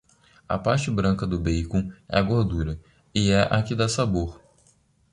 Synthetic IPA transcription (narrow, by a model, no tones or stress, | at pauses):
ɐ̰paɾt͡ʃɪbɾɐ̃kɐd̪ʊbeijkõɛ̰ɐɡoɾd̪uɾɐ | ɪɛʔakid̪ɐsaboɾ